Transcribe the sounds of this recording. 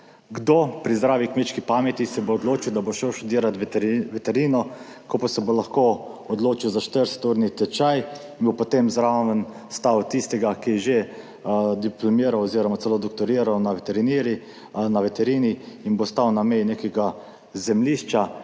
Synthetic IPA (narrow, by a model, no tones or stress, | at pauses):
ɡd̪opɾizd̪ɾaːʋikmeːt͡ʃkipamɛt̪isɛboːd̪loːt͡ʃiwd̪aboʃɛʃt̪ud̪iːɾat̪ʋɛt̪ɛɾiːnɔ | kopasɛbolaxkoːɔd̪loːt͡ʃiwzaʃt̪əɾsɛ̥t̪uːɾnit̪ɛt͡ʃajinbopot̪emzɾaʋən | st̪awt̪ist̪ɛɡakijɛʒe | d̪iplɔmiːɾawɔziːɾɔmat̪sɛloːd̪ɔkt̪ɔɾiːɾawnaʋɛt̪ɛɾiniːɾi | naʋɛt̪ɛɾiːniːnbost̪awnamɛjneːkɛɡa | zɛmliːʃt͡ʃa